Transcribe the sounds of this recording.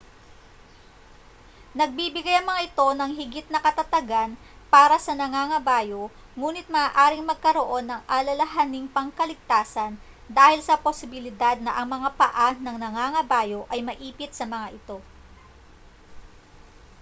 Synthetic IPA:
nɐɡ̚bibɪɡajɐŋmɐŋaʔɪt̪o̞nɐŋɦɪɡɪt̪̚nɐkɐt̪ɐt̪ɐɡan | paːɾɐsɐnɐŋaːŋɐbaːjo̞ | ŋuːnɪt̪̚mɐʔaːʔaːɾɪŋmɐɡ̚kɐɾoʔo̞nːɐŋʔɐlɐlɐɦanɪŋpɐŋkɐlɪɡ̚t̪aːsɐn | d̪aːhɪlsɐposɪbɪlɪd̪ad̪̚nɐʔɐŋmɐŋapɐʔanɐŋnɐŋaŋɐbaːjo̞ʔɐjmɐʔiːpɪt̪̚sɐmɐŋaʔɪt̪o̞

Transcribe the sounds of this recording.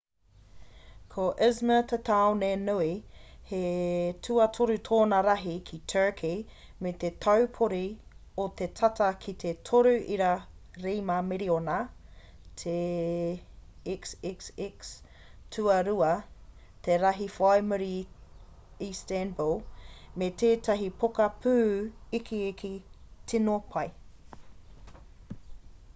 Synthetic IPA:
kʰoʔɪzmət̪ʰət̪ʰawnenuihetʰʉɐtʰoɾut̪ʰoːnɐɾɐɦikʰit̪ʰɜ˞kʰi | met̪et̪ʰɐwpʰoɾiot̪etʰɐtɐkʰit̪ʰetʰoɾʉʔiɾaɾejmameɾiona | t̪ʰe | iksiksiks | tʰʉɐɾuɐ | t̪eɾɐɦifajmuɾi | istɛnbolmeteːtɐɦipʰokɐpʰʉːikʰiikʰitinopʰɐj

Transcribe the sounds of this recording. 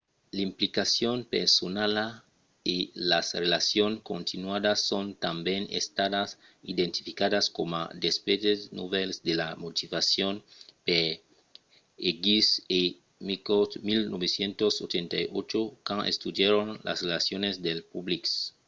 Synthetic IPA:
laimplikasjonpeɾsonala | ilasrelasjoŋkõnt̪inwaðasont̪ambjenḛst̪aðas | ḭd̪ent̪i̥fikaðaskoma̰d̪espedesno̰βelsd̪elamot̪ivasjonpe | eɡise | mikot̪milnʔoβesjent̪osot͡ʃent̪ajot͡ʃokãŋʔḛst̪ud̪jeɾonla̰srelasjonezd̪elpubliks

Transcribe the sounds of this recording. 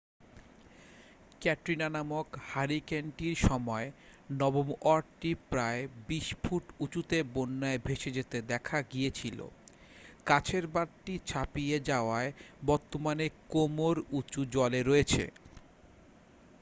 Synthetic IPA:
kɛʈɾinanamokhaɾikeɳʈiɾʃɔmɔe | nɔbomɔɖʈipɾaebiʃpʰuʈut͡ɕut̪ebonːaebʱeʃed͡ʑet̪ed̪ɛkʰaɡijet͡ɕʰilo̰ | kat͡ɕʰeɾbaɾʈit͡ɕʰapijed͡ʑaoaebɔɾt̪omanekomoɾut͡ɕud͡ʑɔleɾoet͡ɕʰḛ

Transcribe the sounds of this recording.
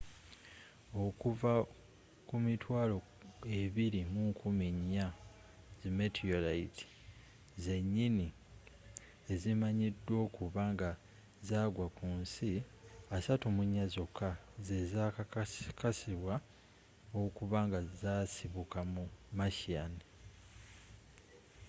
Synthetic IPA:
o̞kuva | kumitwaːlo̞ | e̞βiɾimuŋkʰumiɲːa | zimetʰiolaitʰi̥ | ze̞ɲːini | e̞zimaɲidːwo̞ːkuβaŋɡa | zaːɡwakuːnsiasatumuɲːazokʰazeza | kʰasiβwa | okuβaŋɡazasiβukamumaʃani

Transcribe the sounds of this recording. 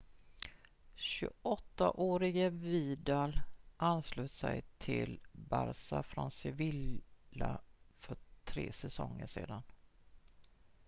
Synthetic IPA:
ɕɵɔt̪ːaʔoːɾɪɡəviːd̪alʔanslʉːsɛjt̪ʰɪlbaɾsafɾɔnsɛvɪlafœʈʰɾeːsɛsɔŋːəʂeːd̪an

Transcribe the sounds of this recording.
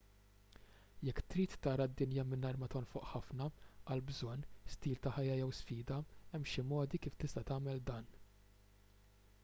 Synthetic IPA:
jɛkːt̪ɾiːt̪ːɐːɾɐd̪ːɪnjɐmɪnːɐɾmɐt̪ɔnfʊʔħɐfnɐɐlbzɔnːst̪iːlt̪ɐħɐjːɐjɛwsfiːd̪ɐɛmʃɪmɔːd̪ikiːft̪ɪst̪ɐt̪ɐːmɛld̪ɐːn

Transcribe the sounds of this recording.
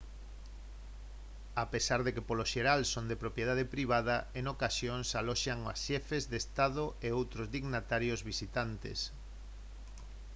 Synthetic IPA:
apesaɾðekepoloʃeɾalsond̪epɾopjeð̞að̞epɾiβ̞aðɐeŋokasjoŋsalɔʃaŋa̰sʃɛfezðest̪aðoeowt̪ɾozðiɣnat̪aɾjozβisit̪ant̪ḛs

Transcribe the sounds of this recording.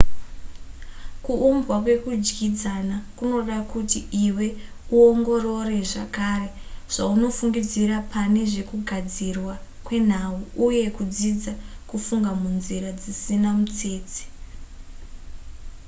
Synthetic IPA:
kuʔːmbwakwe̞kud͡ʒɡid͡zanakuno̞ɗakutiiwe̞ | uoŋɡo̞ro̞re̞ʐakaːre̞ʐ̥auno̞fuŋɡid͡ziɾapane̞ʐe̞kuɡʱad͡zirwa | kwe̞n̤auuje̞kud͡zid͡za | kufuŋɡamunziɾad͡zisinamut͡se̞ːt͡si̥

